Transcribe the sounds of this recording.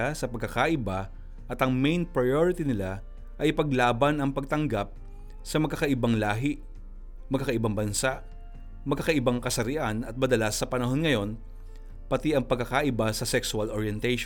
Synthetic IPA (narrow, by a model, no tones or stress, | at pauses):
asɐpɐɡ̚kːɐkaʔɪba | ʔɐt̪ɐŋmɛjnpɹɐjoɹɪt̪inɪla | ʔɐjpɐɡlaːbɐnɐŋpɐɡ̚t̪ɐŋɡap̚ | sɐmɐɡkːakɐʔɪbaŋlaːɦɪ | mɐɡ̚kːakɐʔɪbaŋbɐnsaʔ | mɐɡ̚kːakɐʔɪbaŋkɐsɐɾɪʔanɐt̪̚mɐd̪ɐlasːɐpɐnɐɦo̞nŋɐjo̞n | pɐt̪iʔɐŋpɐɡkːɐkaʔɪbasɐsɛksuɐlʔoɹjɛnt̪ɛjʃ